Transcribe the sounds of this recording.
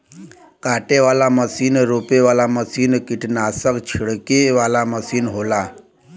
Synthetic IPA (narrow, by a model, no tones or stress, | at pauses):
kaʈeʋalaməsiːnɾopeʋalaməsiːnkiʈʰnasəkt͡ɕʰiɭkeʋalaməsiːnɦola